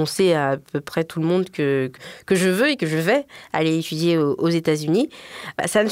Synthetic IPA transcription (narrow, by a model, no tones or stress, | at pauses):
ɔ̃seaːpøpχɛt̪ʰuləmɔ̃d̪kəkkəʒəvøekəʒəvɛa̰leet̪yd̪jeoʔozet̪azyniba̰sanə